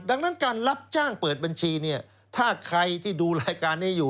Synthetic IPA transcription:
da˧ŋna˦˥nkaː˧nla˦˥p̚t͡ɕaː˥˩ŋpɤː˨˩t̪̚ba˧nt͡ɕʰiː˧ni˥˩ɐ | t̪ʰaː˥˩kʰɾa˧jt̪ʰiː˥˩duː˧ɾaː˧jkaː˧nːi˥˩juː˨˩

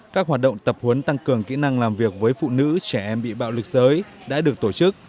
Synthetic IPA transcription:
kaː˦˥k̚haː˨˩t̚ɗə̰˧˨wŋ͡mt̪ə˨˩p̚hwə˨˦nt̪a˧ŋkɨ˨˩əŋkḭ˧˥na˧ŋlaː˨˩mvi˨˩ək̚vəː˨˦jfṵ˧˨nɨ̰˧˥t͡ɕɛ˧˩ʔɛ˧mɓḭ˧˨ɓa̰ː˧˨wlɨ˨˩k̚zəː˨˦jɗa̰ː˧˥ɗɨ˨˩ək̚t̪o˧˩t͡ɕɨ˦˥k̚

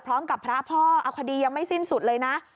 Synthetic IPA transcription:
pʰɾɔː˦˥mka˨˩pʰːɾa˦˥pʰɔː˥˩ʔa˧˩wkʰa˧diː˧ja˧ŋma˥˩jsi˥˩nsu˨˩t̪̚lɤː˧jna˦˥ʔ

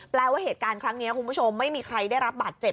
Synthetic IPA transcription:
plɛː˧waː˥˩heː˨˩t̪̚kaː˧nkʰɾa˦˥ŋni˦˥ɐkʰu˧npʰu˥˩t͡ɕʰo˧mːa˥˩jmiː˧kʰɾa˧jda˥˩jɾa˦˥p̚baː˨˩t̪̚t͡ɕe˨˩p̚

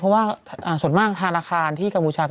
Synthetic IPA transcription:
ɔ˦˥waː˥˩ʔaː˨˩su˨˩əmaː˥˩k̚t̪ʰa˧naː˧kʰaː˧nt̪ʰiː˥˩ka˧mpʰuː˧t͡ɕʰaː˧

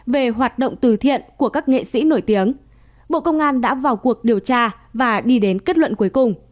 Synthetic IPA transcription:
ve˨˩ɦwaː˨˩t̚ɗə̰˧˨wŋ͡mt̪ɨ˨˩t̪ʰḭ˧˨ənku˧˩əkaː˦˥k̚ŋḛ˧˨sḭ˧˥no˧˩jt̪i˨˦əŋ | ɓo̰˧˨kə˧wŋ͡mʔaː˧nɗa̰ː˧˥vaː˨˩wku˨˩ək̚ɗi˨˩əwt͡ɕaː˧ | vaː˨˩ɗi˧ɗe˨˦nke˦˥t̚lwə̰˧˨nku˨˦əjkʊ˨˩ŋ͡m

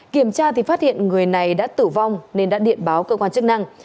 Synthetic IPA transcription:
ki˧˩əmt͡ɕaː˧t̪i˨˩faː˦˥t̚hḭ˧˨ənŋɨ˨˩əjna˨˩jɗa̰ː˧˥t̪ɨ˧˩va˧wŋ͡mne˧nɗa̰ː˧˥ɗḭ˧˨ənɓaː˨˦wkəː˧kwaː˧nt͡ɕɨ˦˥k̚na˧ŋ

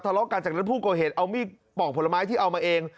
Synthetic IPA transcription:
t̪ʰa˧lɔ˦˥kaː˧t͡ɕaː˨˩na˦˥npʰuː˥˩kɔː˨˩ɦeː˨˩t̪̚ʔa˧wmiː˥˩ | pɔː˨˩pʰo˩˦lmaː˦˥jt̪ʰiː˥˩ʔa˧wmaː˧ʔeː˧ŋ

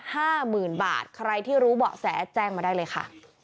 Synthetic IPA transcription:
haː˥˩mɯː˨˩nba̰ː˨˩t̪̚kʰɾa˧jt̪ʰiː˥˩ɾuː˦˥bɔ̰ː˨˩k̚sɛː˩˦t͡ɕɛː˧ŋmaː˧daː˥˩jlɤː˧jkʰa̰˥˩

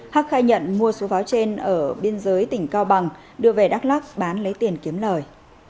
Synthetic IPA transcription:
haː˦˥k̚xaː˧jɲə̰˧˨nmu˧əso˨˦vaː˨˦wt͡ɕe˧nʔəː˧˩ɓi˧ənzəː˨˦jt̪ï˧˩ŋ̟kaː˧wɓa˨˩ŋ | ɗɨ˧˩əve˨˩ɗaː˦˥k̚laː˦˥k̚ɓaː˨˦nlə˨˦jt̪i˨˩ənki˨˦əmləː˨˩j

